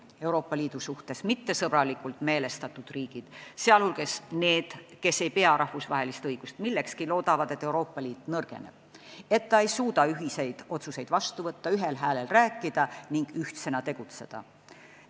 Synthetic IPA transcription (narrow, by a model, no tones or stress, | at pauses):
e̞wɾo̞ːpːˑɑliːd̪̥usuht̪e̞smit̪ːe̞sɤb̥ɾɑlikːˑult̪ˑme̞ːle̞st̪ɑt̪ːˑud̪̥riːɡ̥id̪̥seɑlhulɡ̥e̞sne̞ːd̪̥ke̞sːe̞jpe̞ɑɾʔɑhfusvɑɦe̞list̪ɤjɡ̥ust̪milːe̞kskilo̞ːd̪̥ɑvɑd̪̥e̞t̪ːˑe̞uɾo̞ːpːˑɑliːt̪ːˑnɤrɡ̥e̞̰ne̞̰b̥̚e̞t̪ːɑe̞jsuːd̪̥ɑyɦise̞jd̪̥o̞t̪suse̞jd̪vɑst̪uvɤt̪ːɑyɦe̞lɦæːle̞lræːkːˑid̪̥ɑniŋɡ̥yht̪se̞nɑt̪e̞ɡ̥ut̪se̞d̪̥ɑ̰